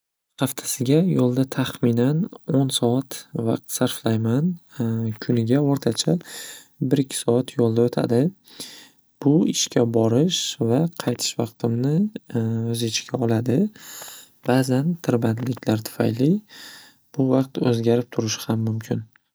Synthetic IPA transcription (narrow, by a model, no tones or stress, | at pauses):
χɑft̪ʰḁsɪɡʲajolˠd̪at̪ʰaχmɪnanonsɒat̪vɑ̰q̚t̪saɾflajmankʲʰʊnɪɡʲaoɾt̪ʰat͡ʃʰa | bɪɾɪkʲʰːɪ̥sɒat̪ʰjolˠd̪aot̪ʰa̰d̪ɪ | b̥ʊɪʃkʲʰabɒɾɪʃvaqʰɑjt̪ʰɪ̥ʃvɑqt̪ʰɪmnɪ | ɵzɪt͡ʃʰɪɡʲʰaɒlad̪ɪ | b̥aːzant̪ʰɪɾbat̪lɪkʲʰlaɾt̪ʰʊ̥fa̰jlɪ | b̥ʊvɑq̚t̪ɵzɡʲaɾɪp̚t̪ʰʊɾɪʃɪ̥hamːʊmkʲʰɪn